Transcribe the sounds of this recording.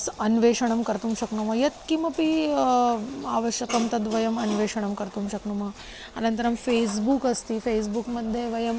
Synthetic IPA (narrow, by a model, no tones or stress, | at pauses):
sɐnʋeːʂɐɳ̃ɐmkɐɾt̪uːmʃɐkɳumɐjɐt̪̚kimɐpi | aːʋɐʃjɐkɐmt̪ɐd̪ʋɐjɐmɐnʋeːʂɐɳɐmkɐɾt̪umʃɐknumɐ | ɐ̰nɐnt̪ɐɾɐmfeːsbukɐst̪ifeːsbukmɐd̪ʱːjeʋɐjɐm